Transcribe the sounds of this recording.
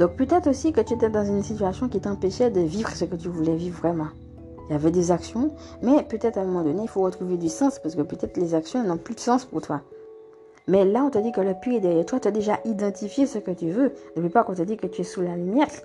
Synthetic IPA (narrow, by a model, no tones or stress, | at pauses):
d̪̥ɔ̃k̚pøt̪ɛt̪χosikət̪yet̪ɛd̪ɑ̃zynsit̪yasjɔ̃kʲit̪ɑ̃peʃɛd̪əvivʁsəkət̪yvulɛvivːʁɛmɑ̃ | javɛd̪ezaksjɔ̃ | mɛpøt̪ɛt̪χɛ̃mɔmɑ̃d̪ɔneilfoʁət̪χuved̪ysɑ̃spaʁsəkəpøt̪ɛt̪χlezaksjɔ̃ɛnɔ̃plyd̪əsɑ̃spuʁt̪wa | mɛlaɔ̃t̪əd̪ikələpyɛd̪ɛʁjɛʁt̪wat̪yad̪eʒaʔid̪ɑ̃t̪ifjesəkət̪yvønəpipaʁkɔ̃t̪əd̪ikət̪yɛsulalymjɛt̪